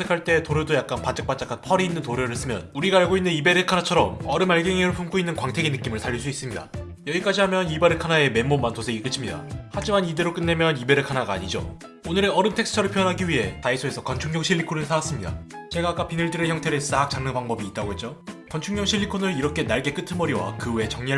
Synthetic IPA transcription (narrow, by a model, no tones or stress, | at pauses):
sʰekʰaɭt͈e̞toɾjodojak̚k͈anpat͡ɕ͈ḁk̚pat͡ɕ͈akʰanpʰʌɾiːnːɯntoɾjoɾɯɭs͈ɯmjʌ̰nuɾiɡaːɭɡoinːɯnibe̞ɾɯkʰanat͡ɕʰʌɾʌmʌɾɯmaɭɡeŋeɾɯɭpʰumk͈ʰoinːɯnkwaŋtʰe̞ɡenɯk͈imɯɭsaʎːiɭs͈uis͈ɯmɲida̰ | jʌɡik͈ad͡ʑiɦamjʌnibaɾɯɭkʰanae̞me̞mːomːantosʰe̞ɡik͈ɯt͡ɕʰimɲida̰had͡ʑimanideɾok͈ɯnːe̞mjʌnibe̞ɾɯɭkʰanaɡaːɲid͡ʑo̰ | onɯɾeʌɾɯmtʰe̞ks͈ʰɯ̥tʰʌɾɯɭpʰjʌnɦaɡiɥiɦe̞taisʰoe̞sʰʌkʌnt͡ɕʰuŋɲjʌŋɕʰiʎːikʰonɯɭsʰaas͈ɯmɲida̰t͡ɕe̞ɡaːk͈apinɯɭdɯɾeçjʌŋtʰe̞ɾɯs͈ak̚t͡ɕ͈aŋnɯpaŋbʌbiːt̚t͈aɡohet͡ɕ͈okʌnt͡ɕʰuŋɲʌŋɕʰiʎːikʰonɯɾiɾʌkʰe̞naɭɡe̞k͈ɯtʰɯnmʌɾiwa̰kɯwe̞t͡ɕʌŋɲia